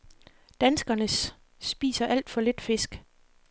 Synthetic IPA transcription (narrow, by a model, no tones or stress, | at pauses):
d̥ænsɡ̥ɐnəs | b̥ḭːsɐʔæl̰d̥fɒ̽le̝d̥fe̝sɡ̥